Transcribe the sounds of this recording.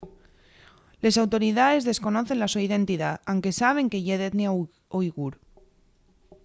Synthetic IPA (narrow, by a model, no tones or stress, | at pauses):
le̞sawt̪oɾiðaðe̞zðe̞sko̞no̞θe̞nlasuiðe̞nt̪iðaawŋke̞saβ̞e̞ŋkeʝeðet̪nea | ojɣuɾ